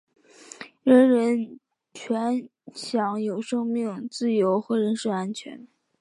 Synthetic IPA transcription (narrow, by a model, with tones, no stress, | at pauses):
ɻə˧˥nɻə˧˥n | t͡ɕʰɥɛ˧˥nɕjɑ˧˥ŋjo˨˩ʊʂɤ˥ŋmi˥˩ŋt͡sɹ̩˥˩jo˧˥ʊxɤ˧˥ɻə˧˥nʂ̩˥˧a˥nt͡ɕʰɥɛ̰˧˥n